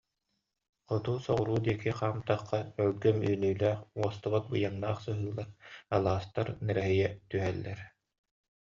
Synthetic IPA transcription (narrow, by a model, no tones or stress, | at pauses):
qɔt̪uːsɔʁuɾuːd̪iɛkiqaːmt̪aχːaœlɡœmyːnyːlæːχuɔst̪abat̪̚bɯjannaːχsɯɦɯːlˠaɾalˠaːst̪aɾnɛɾɛɦɛjɛt̪yɦɛlːɛɾ